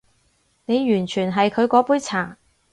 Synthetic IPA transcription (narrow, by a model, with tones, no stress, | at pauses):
ne˨˧jjyː˨˩nt͡ʃʰyː˨˩nɦɐ˨jkʰɵ˨˧ɥkɔː˨˥puː˨˥jt͡sʰaː˨˩